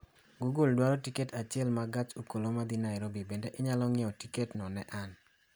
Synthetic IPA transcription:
ɡuɡuldwaɾɔtiketʰat͡ʃɪɛlmaɡat͡ʃokolomad̪inaɪɾobibendeʔɪɲalɔŋɛɔtiketnɔnɛʔan

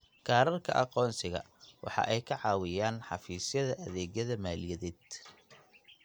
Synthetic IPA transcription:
kʰaːɾɐrkʰɐ̰ʔɑqɔːnsɪɣɐ̰ | wɑ̰ħɑ̰ʔɛjkʰɐʕɑːwɪjaːnħɑ̰fiːsjɐðɐʔɐðɛːɣjɐðɐmaːljɐðɛːd̪̥

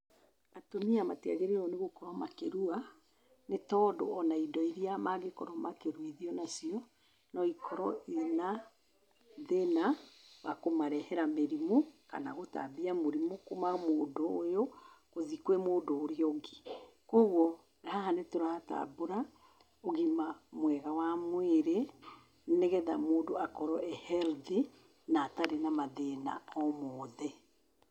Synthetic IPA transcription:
atomiama̰tia̰ɣeɾiɾɔneɣokɔɾɔmakeɾua | netɔːdɔ̰ɔnaidɔiɾiamaɣekɔɾɔmakeɾwiðiɔnasiɔ | nɔikʰɔɾɔʔena | ðenaβakomaɾɛhɛɾameɾimoka̰naɣota̰ðiamoɾimokomamoːdoːjokoðikwɛmoːdoːɾiɔɡi | koɣɔ | ɾahanetoɾahata̰boɾa | oɣimamwɛɣawamweɾe | neɣɛða̰moːndoakɔɾɔʔɛhɛlði | nataɾenamaðena̰ɔmɔːðɛ

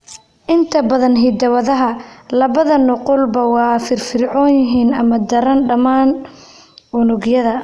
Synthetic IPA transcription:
ʔɪnt̪ʰɐbɐðɐnɦɪd̪ɐwɐðɐɦɐlɐβɐðɐnʊqʊlbɐwɑːfɪrfɪrʕɔːnjɪɦiːnɐmɐd̪ɐɾɐnɖɐmaːn | ʊnʊɡjɐðɐ

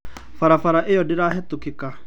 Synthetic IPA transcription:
faɾafaɾaʔejɔdɪɾaːɦɛtukɪka

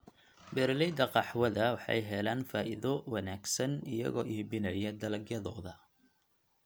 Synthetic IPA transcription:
bɛɾlɛjd̪ɐqɑħwɐðɐwɑħɑ̰jɦɛlaːnfaːʔɪðɔwɑnaːɡsɐnɪjɐ̰ɣɔ̰ːʔɪːbɪnɐjɐd̪ɐlɐɡjɐðɔːðɐ

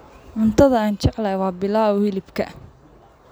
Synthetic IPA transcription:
ʕʊnt̪ʰɐðɐaːnt͡ʃɛʕlɐjwɑːbɪlaːɔhɪlɪbkʰɐ̰

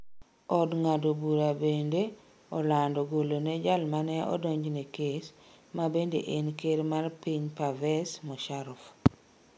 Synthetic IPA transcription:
ɔdŋadobuɾabende | ɔlandɔɡolonɛd͡ʒalmanɛʔɔ̰dɔɲd͡ʒnekes | mabendeʔenkeɾmarpiɲpavɛsmɔʃaɾɔf

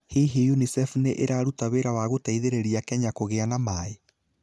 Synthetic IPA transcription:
hiɦijunisɛfuneʔeɾaːɾutaweɾawaːɣotaiðeɾeɾiakɛɲakoɣeanamae

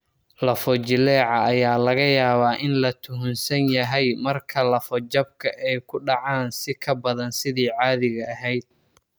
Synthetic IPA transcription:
lɐfɔt͡ʃɪlɛːʕɑːjaːlɐɣɐjaːβaːʔɪnlɐt̪ʰʊɦʊnsɐnjɐɦɛjmɐrkʰɐlɐfɔd͡ʒɐb̚kʰɐʔɛjkʰʊɖɑʕaːnsɪkʰɐbɐðɐnsɪðiːʕɑːðɪɣɐɐɦɛjd̪̥̚

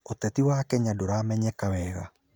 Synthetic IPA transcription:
otɛtiwaːkɛɲadoɾaːmɛɲɛkawɛɣa

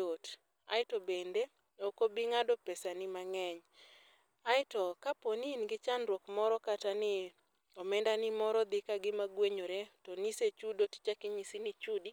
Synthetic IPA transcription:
ot | a̰ɪtobende | okobiŋadɔpɛsanɪmaŋɛɲ | aɪtɔkaponinɡɪt͡ʃanɾwɔkmɔɾɔkatanɪ | ɔmɛndanɪmɔɾɔd̪ɪkaɡɪmaɡweɲoɾetɔniset͡ʃudoti̥t͡ʃakɪɲisinɪt͡ʃudi

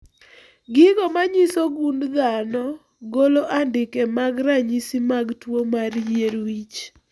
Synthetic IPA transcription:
ɡɪɡɔmaɲisoɡund̪anɔ | ɡoloʔandɪkɛmaɡɾaɲisimaɡtwomaɾjeɾwit͡ʃ

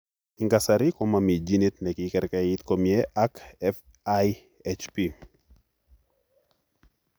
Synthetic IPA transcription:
iŋɡasɐɾikɔmamid͡ʒinit̪̚nɛkikɛɾkait̪komiɛʔakɛf | aj | ɛt͡ʃpi

